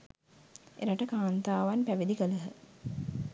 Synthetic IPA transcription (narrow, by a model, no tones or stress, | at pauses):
ʔḛɾaʈəkaːnt̪aːʋanpæʋid̪ikələɦə